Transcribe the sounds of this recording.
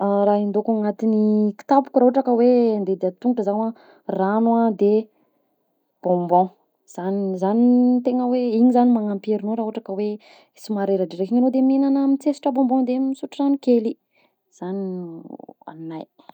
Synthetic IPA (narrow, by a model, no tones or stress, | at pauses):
ɾaind̪okaŋat̪iniki̥t̪apu̥kɾaɦoʈ͡ʂakəwend̪ed̪iat̪uŋʈ͡ʂəzawa | ranuad̪e | b̥ɔ̃mbɔ̃ | z̥anizanit̪eŋəweiɲizanimaŋampeɾinoɾaɦoʈ͡ʂakəwe | simaɾeɾaɖ͡ʐiɾekiɲinod̪eminanəmit͡sesi̥ʈ͡ʂəbɔ̃mbɔ̃d̪emisuʈ͡ʂizanikeli | z̥ani | a̰minaj